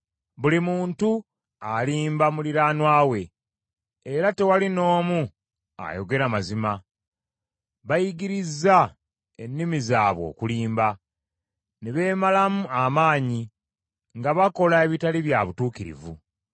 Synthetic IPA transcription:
βulimuːntu | aliːmbamuliɾaːnwaːwe̞ː | ɾate̞walino̞ːmu | a̰jo̞ɡe̞ɾamazima | βajiɡiɾizːa | e̞nːimizaːβwo̞̰ːkuliːmba | neβe̞ːmalamuamaːɲi | ŋɡaβako̞lae̞βitaliβjaβutuːkiɾḭvṵ

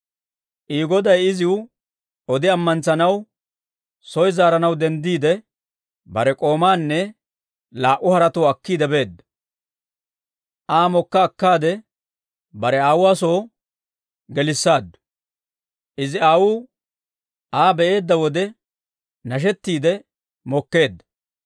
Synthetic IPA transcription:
ʔiːɡɔd̪ɐjɪzɪw | ɔd̪ɪɐmːɐnt͡sɐnɐw | sɔjzaːɾɐnɐwd̪ɛnd̪iːd̪ɛ | bɐɾɛkʼo̞ːmaːnːɛ | laːʔːʊhɐɾɐt̪oːɐkːiːd̪ɛbe̞ːd̪ːɐ | ʔaːmɔkːɐːkːaːd̪ɛ | bɐɾɛaːwʊwaːso̞ː | ɡɛlɪsːaːd̪ːʊ̥ | ʔɪzɪaːwuː | aːbɛʔe̞ːd̪ːɐwɔd̪ɛ | nɐʃ̬ɛt̪ːiːd̪ɛ | mɔkːe̞ːd̪ːɐ̥

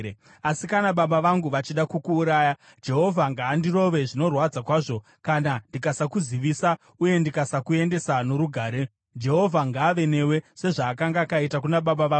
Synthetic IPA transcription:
asikanaɓaɓaʋaŋɡuʋat͡ʃiɗakukuːɾaːja | d͡ʒe̞ɦo̞vʱaŋɡaːndiro̞ʋe̞ʐino̞rwad͡zakwaːʐo̞ | kanandikasakuziʋisa | uje̞ndikasakue̞nde̞sano̞ɾuɡʱaːɾe̞ | d͡ʒe̞ɦo̞vʱaŋɡaːʋe̞ne̞we̞se̞ʐaːkaŋɡaːkaitakunaɓaɓaʋaːu

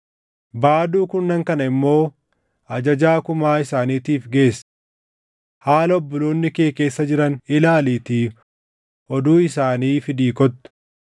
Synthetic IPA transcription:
baːd̪uːkʊnːɐŋkɐnɐɪmːo̞ː | ɐd͡ʒɐd͡ʒaːkʊmaːɪsaːniːt̪iːfɡe̞ːs | haːlɐɔbːɔloːnːɪkeːke̞ːsːɐd͡ʒɪɾɐnɪlaːliːt̪iː | ʔɔd̪uːɪsaːniːfɪd̪iːkɔt̪ːʊ̥

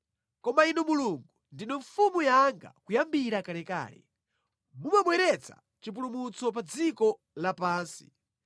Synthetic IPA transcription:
kɔmainumuluŋɡundinɔɱfumujaŋɡa̰kujambiɾakalɛka̰ːlɛ̰ | mumaɓwɛɾɛt͡sʰa̰ | t͡ʃip̬ulumut͡sɔp̬ad͡zikɔ | lapaːnsi̥̰

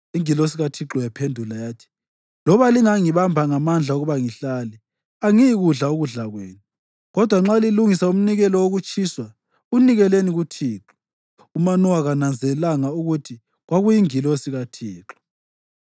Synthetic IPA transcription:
iŋilos̬iɣatʰiǁɔjapʰendʱulajaːtʰi̥ | lɔβaliŋaŋiβambʱaŋamand͡ɮʱauɣuβaŋiɬali | aŋijiɣuɮaoɣuɮaɣweːnu | ɣɔd̥ʱwaŋ͡ǁaliluŋisaum̩niɣɛlɔwoɣut͡ʃʼiswa | uniɣɛleniɣutʰiːǁɔ̥ | umanɔwaɣanand͡zʱɛlaŋauɣutʰi | ɣwaɣujiŋilosiɣatʰiːǁɔ̥

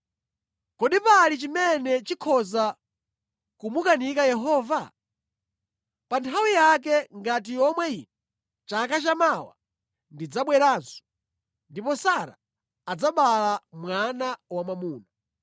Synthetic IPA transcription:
kɔɗipalit͡ʃimɛnɛt͡ʃikʰɔza | kumukanikajɛɦɔːva | pantʰawijak̬ɛŋɡat̬ijɔmwɛinɛ | t͡ʃakat͡ʃamawa̰ | ndid͡zaɓwɛɾaːnsɔ̥ | ndipɔsaɾa̰ | ad͡zaɓalamwanawamamuːna

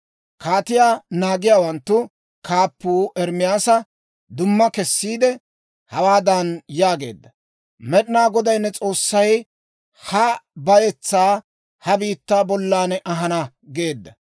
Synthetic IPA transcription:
kaːt̪ɪjaːnaːɡɪjaːwɐnt̪ːʊ | kaːpːuːʔɛɾmɪjaːsɐ | d̪ʊmːɐkɛsːiːd̪ɛ | hɐwaːd̪ɐnjaːɡe̞̰ːd̪ːɐ | mɛɗɪnaːɡɔd̪ɐjnːɛt͡sʼo̞ːsːɐj | hɐbɐjɛt͡sːaː | hɐbiːt̪ːaːbɔlːaːnɛʔɐɦɐnɐ | ɡe̞ːd̪ːɐ

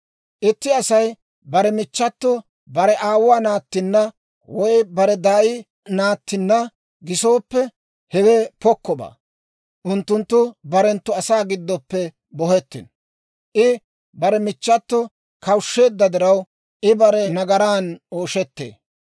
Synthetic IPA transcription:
ʔɪt̪ːɪɐsɐj | bɐɾɛmɪt͡ʃːɐt̪ːɔ | bɐɾɛʔaːwwaːnaːt̪ːɪnːɐ | wɔjbɐɾɛd̪aːʔɪ | naːt̪ːɪnːɐ | ɡɪso̞ːpːɛ | hɛwɛpɔkːɔba̰ː | ʔʊnt̪ːʊnt̪ːʊbɐɾɛnt̪ːʊɐsaːɡɪd̪ːɔpːɛ | bɔhɛt̪ːɪn | ʔɪ | bɐɾɛmɪt͡ʃːɐt̪ːɔ | kɐwʃːe̞ːd̪ːɐd̪ɪɾɐw | ʔɪbɐɾɛnɐɡɐɾaːnoːʃɛt̪ːḛː

